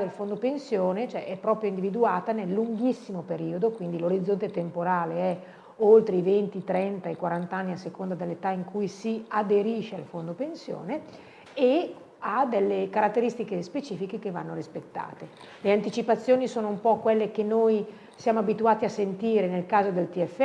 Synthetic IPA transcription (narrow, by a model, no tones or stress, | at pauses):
d̪elfond̪opensjoːnet͡ʃoɛʔɛpːɾɔːpɾjoind̪ivid̪uaːt̪anelːuŋɡisːimopeɾiːod̪okwind̪iloɾid̪zːont̪et̪empoɾaːleɛ | olt̪ɾeivent̪it̪ɾɛnt̪aekwaɾant̪anːiasːekond̪ad̪elːet̪aiŋkujsiad̪eɾiːʃealfond̪opensjo̰ːne | e | ad̪elːekaɾat̪ːeɾist̪ikespet͡ʃiːfikekevanːoɾispet̪ːa̰ːt̪e | leant̪it͡ʃipat̪sːjoːnisoːnoumpɔkwelːekenoj | sjaːmoabit̪uaːt̪iasent̪iːɾenelkaːzod̪elt̪iɛfː